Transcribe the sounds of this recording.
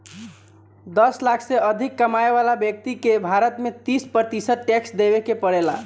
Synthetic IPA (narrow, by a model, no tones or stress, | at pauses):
d̪ʌslakʰseəd̪ʱikːəmaeβalabjək̚t̪ikebʱaɾət̪met̪ispɾət̪isəd̪̚ʈeksd̪eβekepəɽela̰